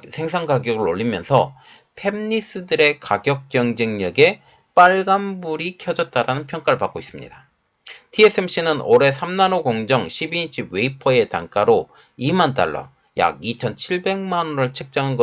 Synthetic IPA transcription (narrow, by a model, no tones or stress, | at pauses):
sʰe̞ŋsʰaŋɡaɡjʌɡɯɾoʎːimjʌnsʰʌ | pʰe̞mɲis͈ɯdɯɾe̞kaɡjʌk̚k͈jʌŋd͡ʑeŋɲʌɡe̞ | p͈aɭɡambuɾikʰjʌd͡ʑʌt̚t͈aɾanɯnpʰjʌŋk͈aɾɯɭpak͈ois͈ɯmɲḭda | tʰie̞s͈ʰemɕ͈ʰinɯnoɾe̞sʰamnanoɡoŋd͡ʑʌŋɕʰibiɕʰibwe̞ipʰʌe̞taŋk͈aɾo | imant̬͈a̰ɭːʌ̰ | ja̰ɡit͡ɕʰʌnt͡ɕʰiɭbe̞ŋmanoɾɯɭt͡ɕʰɯk̚t͡ɕ͈aŋɦanɡʌ